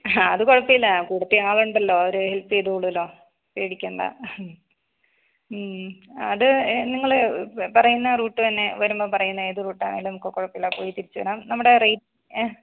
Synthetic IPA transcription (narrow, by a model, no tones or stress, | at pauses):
aɐðɨkoɻɐpːiɐlːɐkuːɽɐt̪ːiaːɭuɳɖɐlːo̞ːɐoɾuhelpːɨjeðukoɭuðɐlːo̞ː | peːɽikʲːuɳɖɐ̰ | ɐ̰ðɨniŋːɐɭpɐrɐjunːɐruːʈːɨt̪ɐnːe̞ʋɐɾumboːpɐrɐjunːɐeːðuruːʈːa̰ːɳeŋɡilnɐmukːekoɻɐpːijɐlːaːpo̞ːjit̪iɾit͡ɕːuʋɐ̰naːmnɐmːuɽe̞rejʈː